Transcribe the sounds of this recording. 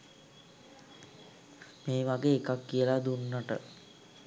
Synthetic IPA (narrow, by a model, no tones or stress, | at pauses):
meːʋaɡeːkakːiəlad̪unːaʈə